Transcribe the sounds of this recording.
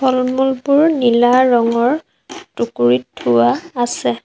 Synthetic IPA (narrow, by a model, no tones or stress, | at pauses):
bʰʱɔlmulpʊɹnilaɹɔŋɔɹ | tukuɹitʰːuwaːsɛ